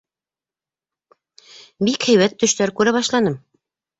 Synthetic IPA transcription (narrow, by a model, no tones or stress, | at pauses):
bikhæ̆jwæt̪ːɵ̆ʃt̪æɾkʉɾæβɑʃlˠɑnɤm